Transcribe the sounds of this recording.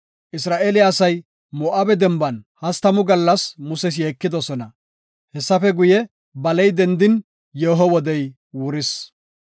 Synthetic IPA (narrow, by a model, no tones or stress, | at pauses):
ʔɪsɾaːʔelɪɐsɐj | mɔːʔabɛd̪ɛmbɐnhɐst̪ɐmʊɡɐlːɐsmʊsɛs̬jeːkːɪd̪ɔsɔnɐ | hɛsːɐfɛɡʊjɛ | bɐlɛjd̪ɛnd̪ɪn | jeːɦɔwɔd̪ɛj | wʊɾɪs